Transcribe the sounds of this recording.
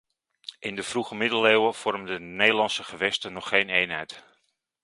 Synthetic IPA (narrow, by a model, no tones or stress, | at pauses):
ʔɪndəvruχəmɪdəlewəv̥ɔrməndənejdəlɑnsəχəʋɛstənɔχːejnejnɦɛjt